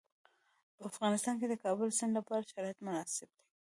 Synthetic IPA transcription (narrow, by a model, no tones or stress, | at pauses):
pəafɣɑnɪst̪ɑnked̪əkɑbʊlsɪndlapɑɾaʃaɾɑjat̪mʊnɑsɪb̚d̪e̥